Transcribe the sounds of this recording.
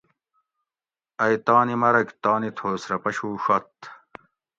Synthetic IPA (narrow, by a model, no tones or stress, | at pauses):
ɐjt̪ɑːnimɐɾɐkt̪ɑːnit̪ʰoːsɾɐpɐɕuːɕɐt̪